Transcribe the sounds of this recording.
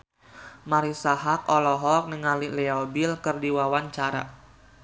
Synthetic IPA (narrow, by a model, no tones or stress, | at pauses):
maɾisaɦak̚ɔlɔɦɔk̚nəŋalilɛɔbilkɨrdiwawaɲt͡ʃaɾa̰